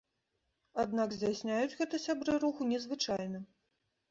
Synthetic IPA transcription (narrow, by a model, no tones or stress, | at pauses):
ad̪̚naɡzʲdʲasʲnʲajud͡zʲɣɛt̪ɐsʲabɾɨɾuxunʲɛzvɨt͡ʂajnɐ